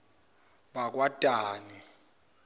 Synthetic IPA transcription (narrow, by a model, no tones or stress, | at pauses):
ɓak̬wad̥ʱaːni